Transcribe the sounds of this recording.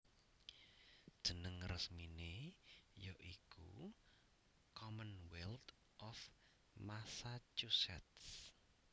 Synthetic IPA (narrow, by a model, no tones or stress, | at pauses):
d̥ʒ̥ənəŋrəsminejoʔikṵ | kɔmənwɛlt̪ | ʔɔf | masat͡ʃusɛ̰t̪s